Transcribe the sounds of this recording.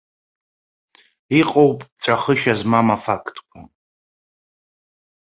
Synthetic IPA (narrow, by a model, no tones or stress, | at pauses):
iqʼowpʼt͡ɕʷʰʼaχəʃazmamafakʰtʰʼkʷʰʼa̰